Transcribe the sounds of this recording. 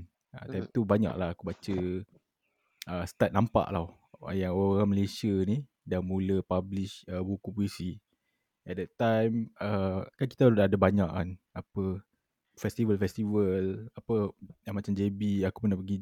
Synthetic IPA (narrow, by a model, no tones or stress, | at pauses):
ət̪ajmt̪ubaɲa̰ʔlahakubat͡ʃə | əsə̥t̪at̪̚nampa̰ʔla | jaŋoɣaŋməlesiəni | damuləpabliʃəbukupuisi | ɛt̪̚dɛt̪ajməkanki̥t̪adaːdabaɲaʔan | apə | fɛst̪ivəlfɛst̪ivəlapəjamat͡ʃamd͡ʒebiakupənapəɡi